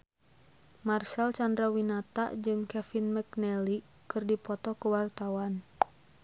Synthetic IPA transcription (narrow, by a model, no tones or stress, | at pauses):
marsɛlt͡ʃandɾawinat̪a̰ʔd͡ʒɨŋkɛfinmɛknɛli | kɨrdipɔt̪ɔkuwart̪awan